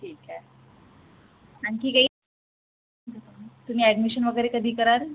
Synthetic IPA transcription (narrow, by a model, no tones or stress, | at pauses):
ʈʰiːka | aɳkiːkaiː | t̪um̤iːæɖmiɕənʋəɡəɾekəd̪ʱiːkəɾaɾ